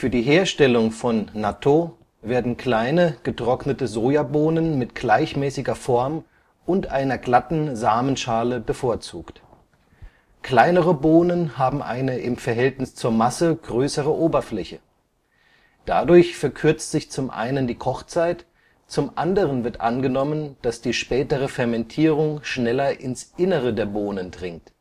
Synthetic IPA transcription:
fyːɐdiːɦeːɐʃtɛlʊŋfɔnːatʰo | veːɐdn̩kl̥aɪnəɡ̥ətʁ̥ɔknətəzoːjaːboːnənmɪtɡ̥laɪçmɛːsɪɡɐfɔɐm | ʔʊntʔaɪnɐɡlatn̩zaːmənʃaːləbəfoːɐt͡sṵːkt | kl̥aɪnəʁəboːnənhaːbm̩ʔa̰ɪnəʔɪmfɛɐɦɛltnɪst͡suːɐmasəɡ̥ʁøːsəʁəʔoːbɐflɛçə | d̥a̰dʊɐçfɛɐkʰʏɐt͡stz̥ɪçt͡sʊmʔa̰ɪnəndiːkʰɔχt͡saɪt | t͡sʊmʔandəʁənvɪɐtʔa̰nɡənɔmənd̥asd̥iːʃpɛːtəʁ̞əfɛɐmɛntʰiːʁ̞ʊŋʃnɛlɐʔɪnsʔɪnəʁədeːɐboːnəndʁɪŋk̚t

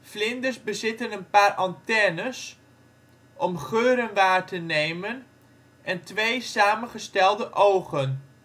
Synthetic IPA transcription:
flɪndərzbəzɪtənənpaːɾʔɑntɛnəs | ʔɔmχøːɾənʋaːɹtənejmən | ʔɛntʋejsaːmənχəstɛlˠdəʔowχən

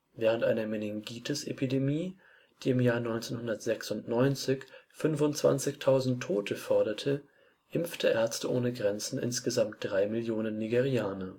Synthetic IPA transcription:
vɛːʁ̞əntʔa̰ɪnɐmenɛŋɡiːtʰəsepʰidemiː | d̥iːɪmjaːɐnɔʏnt͡senhʊndɐtz̥ɛksʊntnɔʏnt͡sɪçfʏnvʊntt͡sv̥a̰nt͡sɪçtʰaʊzn̩tʰːoːtʰəfɔɐɾɐtʰə | ʔɪmftʰəʔɛɐt͡stəʔoːnəɡʁɛnt͡sn̩ʔɪ̰nsɡ̥əzamt̚d̥ʁaɪmɪljoːnənːiɡeʁiaːnɐ

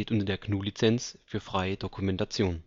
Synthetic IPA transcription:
eːtʔʊntɐdeːɐknuːlit͡sɛnt͡sfyːɐfʁ̥aɪədokʰumɛntat͡sjoːn

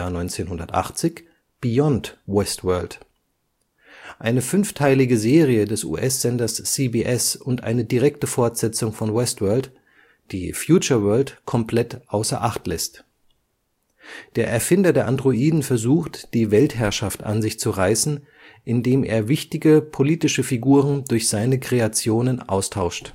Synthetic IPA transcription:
nɔʏnt͡seːnɦʊndɐtʔa̰χt͡sɪç | b̥ijɔntwɛstvɜɐlt | ʔaɪnəfʏnftʰaɪlɪɡəzeːʁiədɛsʔṵːʔɛsz̥ɛndɐsːibiʔɛsʊntʔa̰ɪnədiʁɛktəfɔɐtz̥ɛt͡sʊŋfɔnwɛstvœɐlt | d̥ḭːfjuːt͡ʃɐvɜɐltkʰɔmpʰl̥ɛtʔaʊsɐ̰ʔaχtlɛst | d̥eːɐʔɛɐfɪndɐdeːɐʔandʁoʔiːdn̩fɛɐzuːxtd̥iːvɛlthɦɛɐʃafta̰nzɪçt͡suʁaɪsn̩ | ʔɪndeːmʔḛːɐvɪçtɪɡəpʰoliːtɪʃəfiɡuːʁəndʊɐçz̥aɪnəkʁ̥eat͡sjoːnənʔa̰ʊstʰaʊʃt

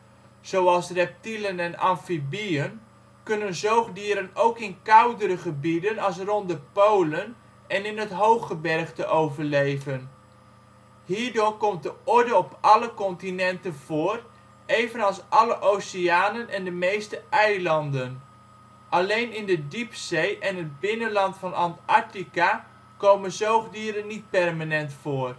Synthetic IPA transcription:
z̥owɑlˠsrɛp̚tilənɛnɑnfibiən | kɵnənzowχdiəɾənowkɪnkʌwdəɾəχəbidənɑlˠs̬rɔndəpowlən | ɛnɪnɦətɦowχəbɛrχtəʔowvəɹlejvən | ɦiːɹdʊːɹkɔmt̚dəɔɹdəɔpʔɑləkɔntinɛntənv̥ʊːr | ejvənɑlˠsʔɑləʔowsɪaːnənʔɛndəmejstəʔɛjlɑndən | ʔɑlejnɪndədipsejʔɛnəd̚bɪnənlɑntfɑnɑntaɹtika | kowmənzowχdiːɾənːit̚pɛrmanɛntfʊːr

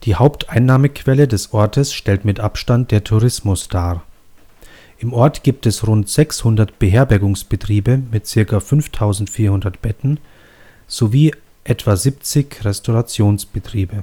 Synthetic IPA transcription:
d̥iːhaʊptʔaɪnːaːməkʰv̥ɛlədɛsʔɔɐtʰəsʃtɛltmɪtʔapʃtant̚d̥eːɐtʰuʁɪsmʊsd̥aː | ʔɪmʔɔɐtɡ̥iːp̚tɛsʁʊntz̥ɛkshʊndɐtb̥əɦeːɐbɛɐɡʊŋsb̥ətʁ̥iːbəmɪtt͡sɪɐkɐfʏnftʰaʊzn̩tfiːɐhʊndɐtb̥ɛtn̩ | z̥oviː | ʔɛtv̥azip̚t͡sɪçʁɛstʰoʁat͡sjoːnsb̥ətʁ̥iːbə

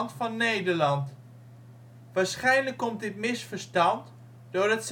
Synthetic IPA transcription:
ntfɑnːejdəɹlɑnt | ʋaːɹsχɛjnləkːɔmt̚dɪtmɪsfəɹstɑnt | d̥ʊːɹəts

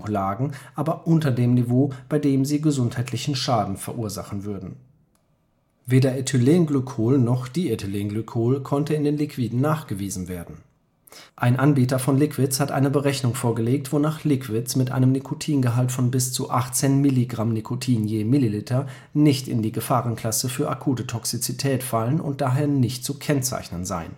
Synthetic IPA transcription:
laːɡŋ̩ʔaːbɐʔʊntɐdeːmnivoːb̥aɪdeːmziːɡəzʊnthaɪtʰlɪçn̩ʃaːdn̩fɛɐʔuːɐza̰χn̩vʏɐdn̩ | veːdɐetʰyleːnɡlʏkʰoːlnɔχd̥iːetʰyleːnɡlykʰoːlkʰɔntəɪndeːnlikv̥iːdn̩naːχɡ̥əviːzn̩veːɐdn̩ | ʔaɪnʔanbiːtɐfɔnlɪkv̥ɪt͡shatʔa̰ɪnəbəʁɛçnʊŋfoːɐɡəleːk̚tv̥onaːχlɪkv̥ɪt͡smɪtʔa̰ɪnəmnikʰotʰiːnɡəɦaltfɔnbɪst͡suʔaχt͡seːnmɪliɡʁamnikʰotʰiːnjeːmɪlilɪtʰɐ | nɪçtɪ̰ndiːɡəfaːʁənkʰl̥asəfyːɐʔa̰kʰuːtətʰɔksit͡sitʰɛːtfalənʔʊ̰nt̚d̥aːɦeːɐnɪçt̚t͡sukʰɛnt͡sa̰ɪçnənza̰ɪn

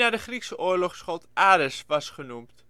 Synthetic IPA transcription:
naːdəχriksəʔoːərlɔχsχølˠtaːdəsʋɑsχənumt

